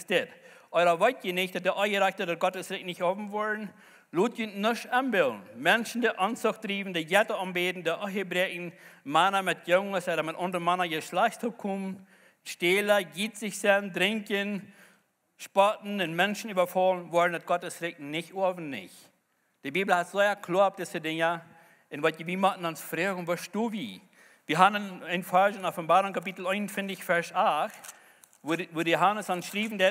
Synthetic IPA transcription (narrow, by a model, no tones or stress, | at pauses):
sd̥ɪt | ɔɪɾɐvɔɪtjənɪçd̥ɔt̚deʔɔəɾaçdədɔt̚ɡ̥ɔtəsɾɪk̚nɪçoːvn̩vɔɹn̩ | luːtjytnɪʃɛmbɪlˠn̩mɛnʃn̩deʔɔnsʊxt̚d̥ɾiːvn̩deɡɛtəɔmbeːdn̩deʔɔɦəbɾɛʔŋn̩manɐmɪt̚jʊŋəsɛdɐmɪtʊndəɾəmanɐjəʃlasthɔp̚kʰumn | ʃteːləɡitz̥ɪçsɛndɾɪŋkən | ʃpɔtn̩ɪnmɛnʃn̩yːbɐfɔlnvɔdn̩dɐt̚ɡ̥ɔtəsɾɪk̚nɪçoɐvn̩nɪ̰ç | d̥ibiːbl̩ˠhatz̥oɪɐkʰloːɐɔp̚d̥ɪsədɪŋɐ | ɪnvɔtviːmɔʔn̩ʊnsfɾeːɡŋ̩vɔʃtuːvi | viːɦannəɪnfaɹʒɪnɔfənbaːɾʊŋkʰapitl̩ˠɛɪnənfɪntɪçfɛɹsaxt | vujoɦanəsanʃɾiːvn̩dɛ